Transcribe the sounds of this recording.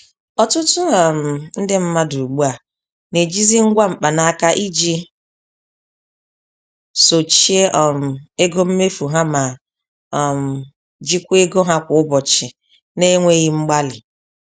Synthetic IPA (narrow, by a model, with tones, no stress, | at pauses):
ɔ˨tʊ˦tʊ˦a˨m̩˨n̩˦dɪ˦m̩˦ma˦du˨ɡ͡bu˦a˨ | ne˨d͡ʒi˦zi˦ŋ̩˦ɡʷa˦ŋ͡m̩˨k͡pa˨na˨a˦˨ka˦ʔi˦d͡ʒi˦ | so˨t͡ʃi˦e˦ʔɔ˨m̩˨e˦ɡo˦m̩˦me˦fu˨ɦa˦ma˨ | m̩˨ | d͡ʒi˦kʷe˦ɡo˦ɦa˦kʷʊ˨ʊ˦bɔ˨t͡ʃɪ˨ | ne˦ŋʷe˦ɣɪ˦ŋ͡m̩˦ɡ͡ba˦lɪ˨